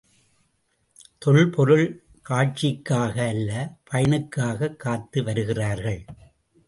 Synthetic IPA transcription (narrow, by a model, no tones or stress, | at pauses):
t̪ɔɭpɔɾɯɭ | kaːʈ̚t͡ʃɪkːaːɣɐːlːɐpʰɐjɐnɯkːaːɣɐkʰːaːt̪ːɯʋɐɾɯɣɪraːɾɣɐɭ